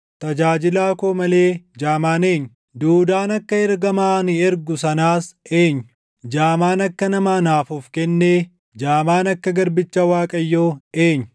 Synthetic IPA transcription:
t̪ɐd͡ʒaːd͡ʒɪlaːkoːmɐle̞ːd͡ʒaːmaːneːɲːʊ | d̪uːd̪aːnɐkːɐɛɾɡɐmaːnɪɛɾɡʊsɐnaːse̞ːɲːʊ | d͡ʒaːmaːnɐkːɐnɐmaːnaːfɔfkɛnːeː | d͡ʒaːmaːnɐkːɐɡɐɾbɪt͡ʃːawaːkʼɐjːoːe̞ːɲːʊ̥

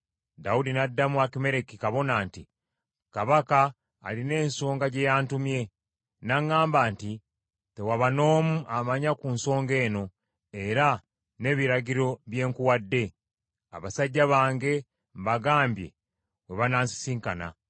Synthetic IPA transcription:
daudinadːamwakime̞ɾekikaβo̞naːnti | kaβaka̰ː | line̞ːnso̞ːŋɡaɟe̞jaːntumje̞ | naŋːaːmbaːnti | te̞waβano̞ːmuʔamaɲakuːnso̞ːŋɡe̞ːno̞ | e̞ɾa | ne̞βiɾaɡiɾo̞βje̞ːŋkuwadːe̞ | a̰βasaɟːaβaːŋɡe̞ | mbaɡaːmbje̞̰ | we̞βanaːnsi̥siːŋkana̰

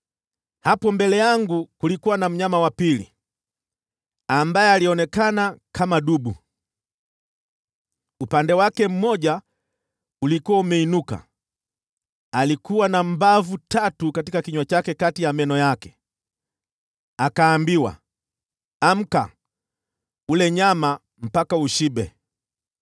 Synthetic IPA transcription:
hapɔmbɛlɛjaŋɡukulikuwanam̩ɲamawapilḭ | ambajɛaliɔnɛkanakʰamaɗuɓṵ | upandɛwakɛm̩mɔʄa | ulikuwaumɛinuka̰ | alikuwanam̩bavutatukatikakiɲwat͡ʃakɛkatijamɛnɔjakɛ̥ | akaːmbiwa̰ | am̩ka̰ | ulɛɲama | m̩pakauʃiɓɛ

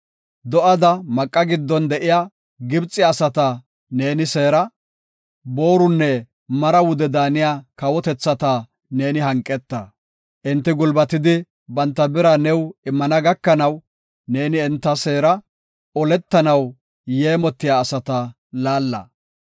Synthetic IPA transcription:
d̪ɔʔɐd̪ɐmɐkʼːɐɡɪd̪ːɔnd̪ɛʔɪjaː | ɡɪbt͡sʼːɪɐsɐt̪ɐ | ne̞ːnɪse̞ːɾɐ | bo̞ːɾʊnːɛ | mɐɾɐwʊd̪ɛd̪aːnɪjaːkɐwɔt̪ɛt͡sːɐt̪a | ne̞ːnɪɦɐŋkʼːɛt̪ːɐ | ʔɪnt̪ːɪɡʊlbɐt̪ɪd̪ɪ | bɐnt̪ːɐbɪɾɐnɛwɪmːɐnɐɡɐkːɐnɐw | ne̞ːnɪɛnt̪ːɐse̞ːɾɐ | ɔlɛt̪ːɐnɐw | jeːmɔt̪ːɪjaːsɐt̪ɐ | laːlːɐ̰

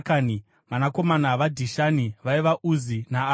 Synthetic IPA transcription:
kani | manako̞manaʋadʱiʃaniʋaiʋaʔuzinaː

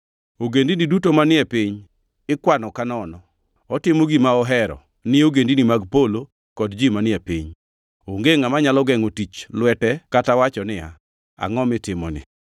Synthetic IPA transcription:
oɡendinidutomanɪɛpiɲ | ɪkwanɔkanɔnɔ | ɔtɪmoɡimaɔɦɛɾɔ̰ | nɪoɡendinimaɡpolo | kɔdd͡ʒimanɪɛpiɲ | oŋɡeŋamaɲalɔɡɛŋotit͡ʃlwɛtɛkatawat͡ʃɔnɪa̰ | a̰ŋɔmɪtɪmɔ̰nɪ̰

